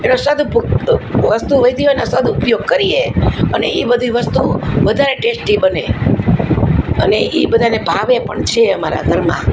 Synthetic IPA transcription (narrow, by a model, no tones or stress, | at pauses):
enosad̪u | ʋəst̪uʋəjd̪ionosad̪ʱuːpjoɡ̚kəɾieəneibəd̪ʱiʋəst̪uʋəd̪ʱaɾeʈesʈibəne | əneʔibəd̪ʱanebʱaʋepə̰ɳt͡ʃʰeəmaɾa̰ɡʱəɾmã̰